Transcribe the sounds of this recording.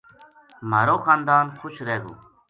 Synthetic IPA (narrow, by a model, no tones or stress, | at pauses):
məɾoːxaːnd̪aːnxʰʊʃɾeːɡṵː